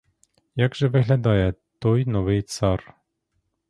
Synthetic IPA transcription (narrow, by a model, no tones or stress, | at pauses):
jaɡʒɛvɘɣlʲad̪ɑjɛt̪ojnovɨjt̪sɑr